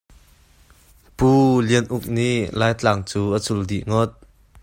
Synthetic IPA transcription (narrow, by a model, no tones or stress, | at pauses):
puːliənʔuk̚niʔlaːjt͡ɬaŋt͡suːʔət͡suldiʔŋɔt̪̚